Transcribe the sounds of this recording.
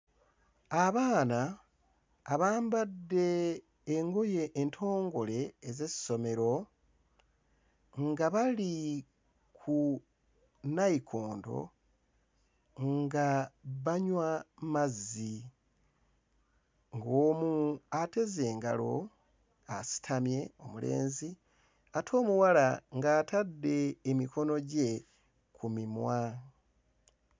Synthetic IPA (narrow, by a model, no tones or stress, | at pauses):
aβaːnaː | βaːmbadːe̞ː | ŋɡo̞je̞ʔːntʰo̞ːŋɡo̞le̞ːzesi̥so̞me̞ɾo̞ | ŋɡaβali | kʰu | naikʰo̞ːndo̞̰ | ŋɡaβaɲwamazi | ŋɡoːmuate̞ze̞ːŋɡa̰lo̞ | asi̥tʰamje̞o̞mule̞̰ːnzi | atʰo̞ːmuwalaŋɡaːtʰadːe̞ːmiko̞no̞ɟe̞ | kʰumimwa